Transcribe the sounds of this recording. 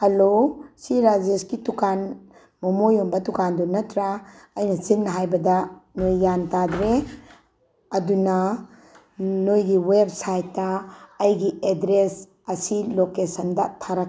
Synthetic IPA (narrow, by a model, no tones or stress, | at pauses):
hɐlosiɾad͡ʒeskitukan | mɐmojɔmbɐtukandunɐtʰɾa | ɐjnɐsinnɐɦajbɐdanojːantad̪ɾe | ɐdunɐ | nojɡiweb̚sajtːaːjɡiedɾes | ɐsilokesɐndatʰaɾak